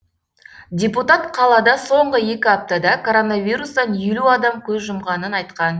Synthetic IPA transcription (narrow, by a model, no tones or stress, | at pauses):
dʲeput̪ɑt̪qʰɑlˠɑd̪ɑso̞ɴʁəje̞kʲɪɑp̚t̪ɑd̪ɑkʰo̞ɾo̞navʲijɾust̪ɑnjeluɑd̪ɑmkʲʰɵzʒʊmʁɑnənɑjt̪qɑn